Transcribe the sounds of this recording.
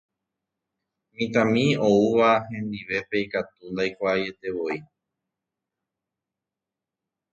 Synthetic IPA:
mĩt̪ãmĩo̞uʋaɦẽ̞nd̪iʋe̞pe̞ikat̪und̪ajkʷaːje̞t̪e̞ʋo̞i

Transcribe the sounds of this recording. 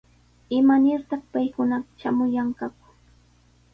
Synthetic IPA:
ɪmanɪɾt̪ɑχpajkʊnaqʃamʊjaɴkɑkʊ̥

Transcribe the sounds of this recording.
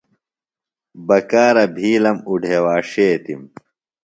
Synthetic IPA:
bɐkaːɾɐbʱiːlɐmuɖʱewaːʂeːt̪im

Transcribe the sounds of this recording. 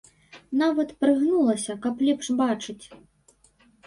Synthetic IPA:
navɐt̪pɾɨɣnulˠɐsʲɐkɐplʲɛpʂbat͡ʂɨt͡sʲ

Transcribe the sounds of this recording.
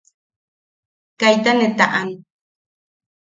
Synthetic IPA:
kajt̪anet̪aʔan

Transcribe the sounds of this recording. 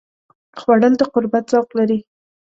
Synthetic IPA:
xwaɽəld̪əqʊɾbat̪z̥awqlaɾi

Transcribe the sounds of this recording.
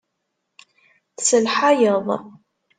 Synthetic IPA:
θsəlħajəðˤ

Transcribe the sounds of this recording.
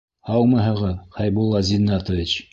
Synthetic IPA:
hɑw̪ˠmɤɦɤ̆ʁɤðχɑjbulˠːɑzʲinːɑt̪ŏvʲit͡ɕ

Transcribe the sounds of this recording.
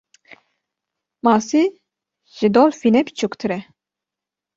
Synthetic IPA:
mɑːsi | ʒɨd̪olfinɛpt͡ʃʰukt̪ʰɨɾɛ

